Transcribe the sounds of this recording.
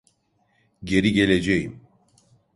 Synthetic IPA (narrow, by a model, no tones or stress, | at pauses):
ɟeɾiɟeled͡ʒejim